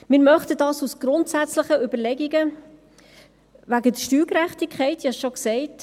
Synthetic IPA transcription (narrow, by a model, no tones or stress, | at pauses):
mɪːɾmœχtədɑːsusɡ̥ɾʊntsæt͡sləχəʏbəɾlɛɡiɡə | væɡədəʃtyːkɾæχtikʰχɛɪtiɑsʃoksɛɪt